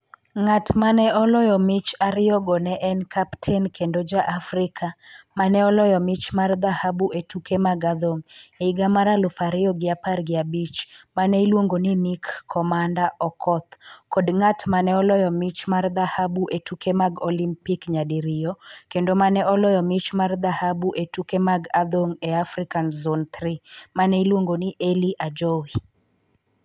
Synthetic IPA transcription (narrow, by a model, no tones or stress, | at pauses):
ŋatmanɛɔlɔjɔmɪt͡ʃaɾɪɔɡɔnɛʔɛnkʰaptʰɛnkʰendod͡ʒaʔafrɪkʰamanɛɔlɔjɔmɪt͡ʃmard̪ahabuʔetukʰemaɡad̪oŋeiɡamaɾalʊfaɾɪɔɡɪaparɡɪabit͡ʃmanɛilwoŋɡoninikːʰɔmandaʔɔkʰɔt̪kɔdŋatmanɛɔlɔjɔmɪt͡ʃmard̪ahabuʔetukʰemaɡolimpikɲadiɾɪjɔkendomanɛɔlɔjɔmit͡ʃmard̪ahabuʔetukemaɡad̪oŋɛafɾikanzont̪ɾimanɛilwoŋɡonɪʔeliʔad͡ʒɔwi